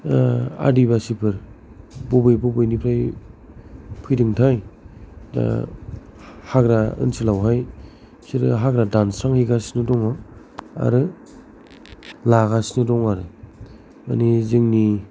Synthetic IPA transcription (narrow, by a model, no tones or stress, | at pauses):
a̰diβasipʰɯɾ | bɔbɯjbɔbɯjnipʰɾaj | pʰɯjdɯŋtʰaj | a̰ | haɡɾaɯ̰nsilawɦaj | siɾɯɦaɡɾadansɾaŋhiɡasnɯdɔŋa | a̰ɾɯ | laɣasnɯdɔŋaɾɯ | a̰nizɯŋni